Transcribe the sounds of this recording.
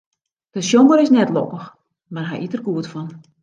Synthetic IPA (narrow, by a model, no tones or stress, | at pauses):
d̥əʃjoməɾɪsnɛtlɔ̰kəx | marɦɛ̰jʔitərɡuətfɔn